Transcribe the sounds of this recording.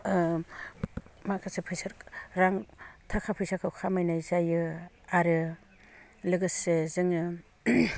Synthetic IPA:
makʰasepʰɯjsɯɾɾaŋtʰakʰapʰɯjsʰakʰɯwkʰamajnajzajɯ | aɾɯ | lɯɡɯsezɯŋɯ

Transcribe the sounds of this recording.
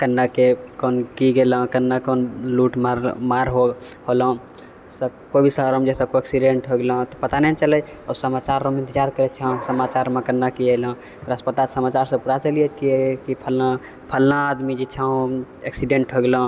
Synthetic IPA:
kənːakekonkiɡelə̃kənːakonluʈmaɾmaɾɦo | ɦolə̃ | səkobʱisəɾomd͡ʒesə̃koeksiɖeɳʈɦoɡelə̃t̪ɔpət̪anɛt͡ʃələj | ɔsəmat͡ʃaɾːomẽnt̪id͡ʒaɾkəɾɛt͡ʃʰə̃səmat͡ʃaɾmẽkənːakiel̃ | p̪əɾəspət̪asəmat͡ʃaɾsə̃puɾat͡ʃəliɛt͡ʃʰkiekipʰəla | pʰəlnaːd̪mid͡ʒet͡ʃʰə̃ | eksiɖeɳʈɦoɡelə̃

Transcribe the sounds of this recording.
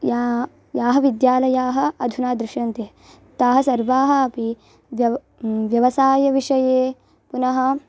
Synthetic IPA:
ja | jaːɦɐʋid̪jaːlɐjaːɦɐ̆ɐd̪ʱunaːd̪ɾɪʂjɐnt̪eɦ | t̪aːɦɐsɐɾʋaːɦɐɐpi | ʋɐ | ʋjɐʋɐsaːjɐʋiʂɐjeː | punɐɦɐ

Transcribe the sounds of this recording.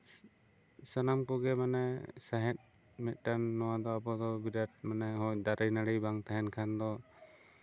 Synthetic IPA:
sanamkuɡɛmanɛsaɦɛt̪̚ | mɛt̪̚ˀʈanːɔwad̪ɔabɔd̪ɔbiɾat̚manɛɦɔjd̪aɾɯjnaɽijbaŋt̪ʰaɦɛnkʰand̪ɔ

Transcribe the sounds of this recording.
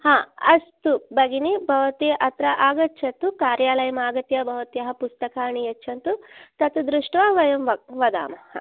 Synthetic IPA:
hãːɐst̪ubɐɡinibʱɐʋɐt̪eʔɐt̪ɾɐʔaːɡɐt͡ʃːt͡ʃʰɐt̪ukaːɾjaːlɐjɐmaːɡɐt̪jɐbʱɐʋɐt̪jɐɦɐpust̪ɐkaːɳijɐt͡ʃːt͡ʃʰɐnt̪ut̪ɐt̪ud̪ɾuʂʈʋaːʋɐjɐmʋɐʋɐd̪a̰ːmɐhɐ̰

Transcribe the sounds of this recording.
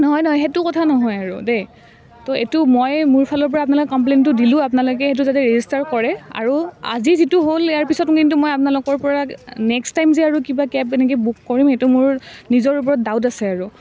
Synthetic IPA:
nɔɦɔjnɔɦɔjxetʊkɔtʰanɔɦɔjaɹude | tɔḛtʊmɔjmʊɹpʰalɔɹpɔɹaːp̬nalʊkɛkɔmp̬lentʊdilʊ̃ap̬nalok̬ɛxet̬uzatɛɹezistaɹkɔɹɛa̰ɹua̰zizitʊɦolɛjaɹpisɔtkintumɔjapnalʊkɔɹpɔɹanɛkstajmzɛaɹukibakɛpɛnɛk̬ɔbukːɔɹimxetumʊɹnizɔɹup̬ɔɹɔt̚daʊtasɛaɹu

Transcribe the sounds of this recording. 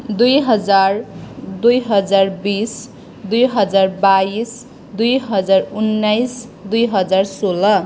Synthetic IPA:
d̪ujɦʌd͡zard̪ujɦʌd͡zarbis | d̪ujɦʌd͡zarbais | d̪ujɦʌd͡zarunːajs | d̪ujɦʌd͡zarsolʌ

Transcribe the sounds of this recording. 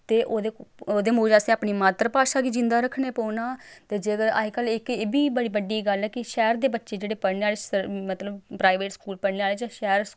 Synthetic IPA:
t̪eːʔoːd̪eːoːd̪eːmoːd͡ʒaːsẽːaːpniːmaːt̪ɾəpaːʃaːɡiːd͡ʒɪ̃nd̪aːɾəkʰːneːpoːnaːt̪eːd͡ʒeːkəɾa̰ikəlɪkeːbiːbəɽiːbəɖiːɡəlɛːkɪʃɛːɾd̪eːbətːʃeːd͡ʒeːɽeːpəɾneːaːleːəmət̪ləbpɾaːiʋeːʈskuːlpəɽneːaːleːd͡ʒãːʃɛːɾs

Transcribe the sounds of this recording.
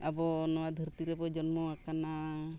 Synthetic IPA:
abɔnɔwad̪ʱəɾt̪iɾɛbɔd͡ʒɔnmɔakana

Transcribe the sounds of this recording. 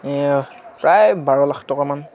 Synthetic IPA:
pɹajbaɹɔlaxtɔkaman

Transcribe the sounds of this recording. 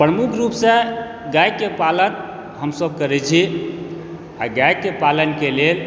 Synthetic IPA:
pɾəmukʰɾupsẽ | ɡajkepalən | ɦəmsəb̚kəɾɛt͡ʃʰi | aɡajkepalənkelel

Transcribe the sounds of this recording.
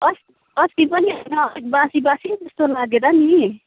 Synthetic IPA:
ʌs | ʌst̪ipʌniɦʌnʌbasibasid͡zʌst̪olaɡed̪ani

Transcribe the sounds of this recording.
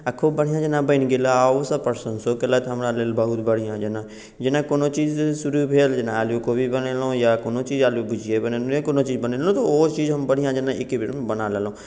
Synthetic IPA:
əkʰːobəɽ̤ijãd͡ʒənãbəɪnɡelaaosəpəɾsənsokelat̪ɦɐmɾaleːlbəɦʊt̪bəɽ̤ijãd͡ʒənã | d͡ʒɪnakoːnot͡ʃiːzsʊɾubʱeːld͡ʒɪnãaːljokobʱibənelõjakoːnot͡ʃiːd͡ʒaːljobʊd͡ʒʱijebənelkoːnot͡ʃiːd͡ʒbənelõt̪ooːt͡ʃiːd͡ʒɦəmbəɽ̤ijãd͡ʒənãɪkibɾmbənalelõ

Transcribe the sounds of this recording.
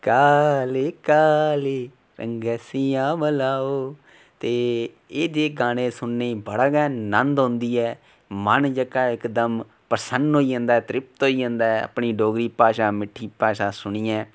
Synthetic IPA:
kaːleːkaːleː | ɾə̰ŋɡɛːsiːãːbəlaːoː | t̪eː | eːd̪eːɡaːɽẽːsʊnːeiːbəɽaɡɛːnənd̪ɦʊ̃nd̪iːɛː | mənd͡ʒəkːaːɪkd̪əm | pəɾsənɖɦoːiːə̃ːnd̪aːɛːt̪ɾɪpt̪oːiːə̃ːnd̪aːɛa̰pɳiːɖoːɡɾiːpaːʃaːmɪʈʰːiːpaːʃaːsʊɳiːɛ̃ː

